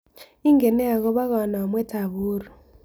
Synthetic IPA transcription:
i˦ŋɡe˨nɛ˦a˨ɣɔ˦βa˦ɣa˨na˨o˨mwɛ˦ta˨βuː˦ɾu˨

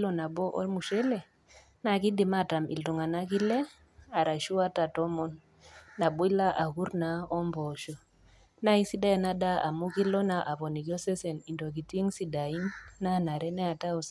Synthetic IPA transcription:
lɔ˦na˨bɔ˦ʔɔ̰˦mu˨ʃɛ˦lɛ˨ | na˦˨ki˦di˨ma˦˨ta˨mḭ˨ltu˨ŋa˨na˦k̬i˦lɛ˦ | a˨ɾa˨ʃu˦a˦ta˨tɔ˦mɔ˦nː | a˨bɔ˦i˦la˦ʔa˨ku˦ɾna˨ɔ˦mbɔ˨ʃɔ˨ | na˦i˦si˦da˦i˦˨na˦da˦ʔa̰˨mu˦ki˦lɔ˦na˨ʔa˨βɔ˨ni˨kjɔ˦sɛ˦sɛ˨ni˨ndɔ˨k̬i˨ti˦i˦ŋsi˦da˨i˦nːa˦na˨ɾɛ˦nɛ˦a˨ta˦ɔ˨s

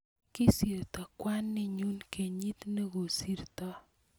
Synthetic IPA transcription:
kɪ˦si˨ɾt̪ɔ˨kwa˦nːɪ˦ɲu˦nke˨ɲi˦t̪ne˦ɡo˨si˦ɾt̪ɔ˦

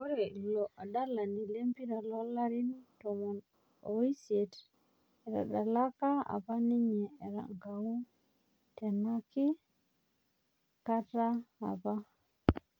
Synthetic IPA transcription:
ɔ˦ɾe˨lɔ˨ʔa˨da˦la˨ni˨le˦mpi˦ɾa˨lɔ˦la˦ɾi˦ntɔ˨mɔ˨n | o˨i˦se˨t | ɛ˨ɾa̰˨da˨la˦ka˦a̰˨pa˦ni˦ɲɛ˨e˨ɾa̰˨ŋɡa˨wu˦ | tɛ˨na˦ki˦ | ka˦ta˦a̰˨pa˦

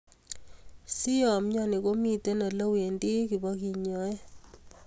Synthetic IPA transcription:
si˦jɔ˨mɲɔ˦ni˨ko˦mi˨te˦na˨lo˦we˨ndi˦ki˨bɔ˦ki˨ɲɔ˨˦e˦

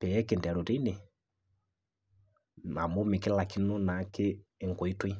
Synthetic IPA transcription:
pɛ˨jɛ˦ke˨nda˨ɾo˨ɾi˦ne˨ | ma˨mo˦mi˨kɪ˦la˨ki˦no˦na˨˦kɪː˦˨ŋko˨i˦twi˦

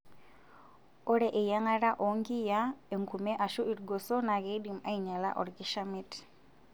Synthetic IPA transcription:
ɔ˦ɾɛ˨ʔɪ˨ja˦ŋa˦ɾa˦ʔɔ˨ŋɡi˦ja˦e˨ŋku˨mɛ˦ʔa˨ʃu˦i˨ɾɡo˨sɔ˦na˨ɣe˦di˨ma˦i˨ɲa˨la̰˦ʔɔ̰˨ɾki˦ʃa˦mi˦t

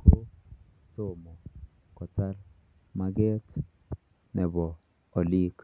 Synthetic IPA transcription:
kʰo˦ | to˨mɔ˨ | kɔ˨ta˦l | ma˦ɡɛ˦t | nɛ˨bɔː˨ | li˦k

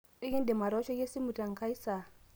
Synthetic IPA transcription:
e˦je˦nde˨ma˨ɾa˨˦t͡ʃɔ˦je˦si˦mu˨ta˨ŋ˨kʰa˦i˦sa˨

